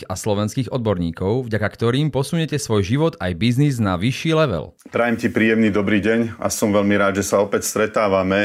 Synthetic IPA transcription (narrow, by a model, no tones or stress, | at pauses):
a̰slɔʋɛnskiːɣɔd̪̚bɔɾɲiːkɔʊvɟakakt̪ɔɾiːmpɔsuɲɛcɛsʋɔjʒiʋɔd̪ajbizniznaʋiʃːiːlɛʋɛ̰lpɾajɛmcipɾiːjɛmniːd̪ɔbɾiːɟɛɲa̰sɔmʋɛʎmiɾaːd̪ʒɛsaɔpɛcst̪ɾɛt̪aːʋamɛ